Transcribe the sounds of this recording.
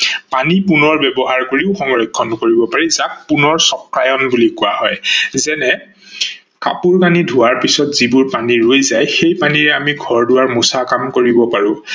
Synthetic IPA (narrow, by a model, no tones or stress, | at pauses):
panipunɔɹbɛbɔɦaɹkoɹiʊxɔŋɹɔkʰːɔnkoɹibɔpaɹizat̚punɔɹsɔkɹajɔnbulikʊwahɔjzɛnɛ | ka̰puɹkanidʱʊaɹpisɔtz̥ibʊɹpaniɹojzajxejpaniɹɛamiɡʱɔɹdʊwaɹmusakamkoɹibɔpaɹʊ̃